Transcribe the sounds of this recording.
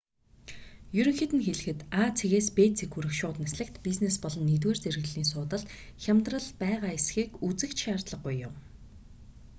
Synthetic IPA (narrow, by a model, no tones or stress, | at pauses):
jɵɾɘ̆ŋxet̪ɘ̆nxeɮɘ̆xɘ̆t̪at͡sʰeɣeːspet͡sʰekxuɾɘ̆kʃʊːt̪̆nasɮɘ̆k̚t̪piznespɔɮɞ̆nːit̪̬weːrt͡serɣɘ̆ɮiːns̬ʊːt̪ə̆ɮt̪xʲamt̪rə̆ɮpæːʁaːesxiːkut͡sɘ̆kt͡ɕʃaːrt̪ɮə̆q̚ːʊjːʊm